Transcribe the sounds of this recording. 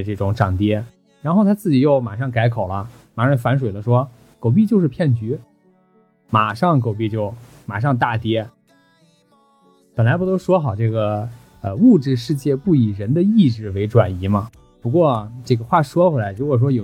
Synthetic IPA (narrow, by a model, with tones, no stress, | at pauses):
ʈ͡ʂɤ˥˩ʈ͡ʂʊ˨˧˩ŋʈ͡ʂɑ˨˩ŋt̪jɛ˥ | ɻa˧˥nxo˥˩ʊt̪ʰa˥t͡sɹ̩˥˩t͡ɕi˨˩jo˥˩ʊma˨˩ʂɑ˥˩ŋka˧˥ɪkʰo˨˩ʊlə˦ma˨˩ʂɑ˥˩ŋfa˧˥nʂ̬we˨˩ɪlə˦ʂwɔ˥ | ko˨˩ʊp̬i˥˧t͡ɕjʊʂɻ̩˥˧pʰjɛ˥˩nt͡ɕy˧˥ | ma˨˩ʂɑ˥˩ŋk̬o˨˩ʊpi˥˧t͡ɕjo˥˩ʊ | ma˨˩ʂɑ˥˧ŋt̪̬a˥˩t̪jɛ˥ | pə˨˩nla˧˥ɪp̬t̪o˥ʊʂwɔ˥xɑ˨˩ʊʈ͡ʂɤ˥˩ɡə˩ | ə˧u˥˧ʈ͡ʂɻ̩˥˧ʂɻ̩˥˧t͡ɕjɛ˥˧pu˥˩i˨˩ɻə˧˥nd̪ə˧i˥˧ʈ͡ʂɻ̩˥˩we˧˥ɪʈ͡ʂwa̰˨˩ni˧˥mɐ˧ | pu˧˥kwɔ˥˧ʈ͡ʂɤ˥˩ɡə˩xwa˥˩ʂwɔ˥kwɛ˥˩la˧˥ɪɻu˧˥kwɔ˨˩ʂ̬wɔ˥jo˨˩